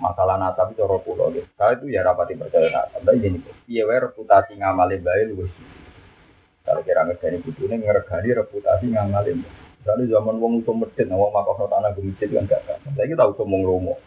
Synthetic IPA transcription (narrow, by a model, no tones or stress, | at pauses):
masalahnat̪amit͡ʃɔɾɔpulɔ̰ɡɛkalait̪ujaɾapat̪ipərt͡ʃajana̰t̪ambaid͡ʒinikɔijeweɾəput̪asiŋamalɪmbaɪluɡɔsdi | ka̰lokiɾaŋərɡ̥a̤nibut̪uneŋərəɡ̥a̤niɾəput̪asiŋamalɪmbaɾanuzamanwɔŋusɔməd̥ɛt̪̚nawɔŋmapasɔt̪anabəɾid͡ʒɪt̪uka̰nɡ̥aʔɡ̥a̰tasajakit̪ausɔmwɔŋɾomɔ